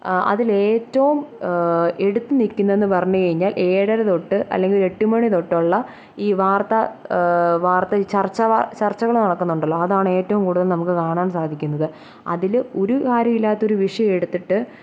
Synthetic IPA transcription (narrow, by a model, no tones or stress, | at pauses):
ɐ̰ðile̞ːtːɐʋum | e̞ɽut̪ːɨnikʲːunːɐe̞nːɨpɐrɐɲːukɐɻiɲːaːlʔe̞ːɽɐɾɐt̪o̞ʈːɨʔɐ̰lːe̞ŋɡile̞ʈːumɐɳit̪o̞ʈːoɭːɐ | iːʋaːrt̪ɐ | ʋaːrt̪ːɐt͡ɕɐrt͡ɕːɐʋɐt͡ɕɐrt͡ɕːɐɣɐɭnɐɽɐkːunːuɳɖɐlːoɐðaːɳɨe̞ːtːɐʋumkuːɽuðɐlnɐmukːɨkaːɳaːɳsaːd̪ʱikʲːun̪ːɐðɨ | ɐ̰ðilo̞ɾukaːɾjɐmilːaːt̪ːo̞ɾuʋiʂɐjɐme̞ɽut̪ːiʈːɨ